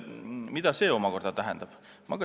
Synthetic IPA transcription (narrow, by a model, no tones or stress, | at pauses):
mid̪ɑse̞ːo̞mɑko̞rd̪̥ɑt̪æɦɛnd̪̥ɑb̥ | mɑɡɑ